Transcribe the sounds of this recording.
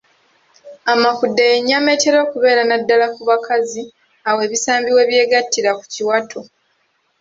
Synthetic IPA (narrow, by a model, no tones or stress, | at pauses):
amakudːejeɲːame̞te̞ɾo̞ːkuβe̞ːɾanadːalakuβakazi | awe̞ːβisaːmbiwe̞ːβje̞ːɡatːiɾakuciwatʰo